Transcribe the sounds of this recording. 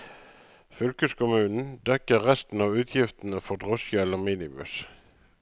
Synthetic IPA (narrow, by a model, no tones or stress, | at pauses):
fʏlkəskʰʊmʉːnn̩d̪ɛkəʁʁɛst̪n̩ɑːʋʉːt̪ʰjɪft̪n̩əfɔʁd̪ʁʊsjœləʁmiːnɪmʉ̰s